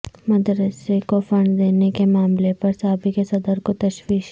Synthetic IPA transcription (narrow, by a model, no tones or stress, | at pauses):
mɐd̪ɾəsekofɐ̃ɳɖd̪eːnekemaːmlepɐɾsaːbʱikesɐd̪əɾkot̪ɐʃwiːʃ